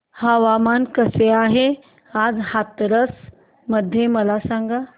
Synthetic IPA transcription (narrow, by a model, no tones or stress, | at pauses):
həʋamankəseaːɦe | ad͡zhat̪ɾəs | məd̪ʱjeməlasãŋɡa